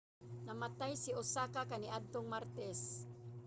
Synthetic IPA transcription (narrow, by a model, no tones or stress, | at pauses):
namat̪ajsɪʊsakakanɪʔad̪̚t̪oŋmaɾt̪ɛs